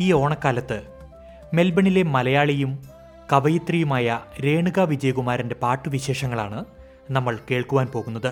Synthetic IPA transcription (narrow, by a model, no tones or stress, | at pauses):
iːo̞ːɳɐkːaːlɐt̪ːɨ | me̞lbɐɳile̞mɐlɐjaːɭijum | kɐʋɐjɐt̪rijumaːjɐɾe̞ːɳuɣaʋid͡ʑɐjɐɣumaːɾɐnde̞paːʈːuʋiɕe̞ːʂɐŋːɐɭa̰ːɳɨ | nɐmːɐɭke̞ːɭkuʋaːnpo̞ːɣunːɐðɨ